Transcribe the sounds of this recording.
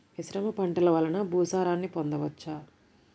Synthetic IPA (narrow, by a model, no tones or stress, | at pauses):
ʋisɾɐmɐpɐɳʈɐlɐʋɐlːɐnɐbʱuːsaːɾaːnːipond̪ɐʋɐt͡ʃːaː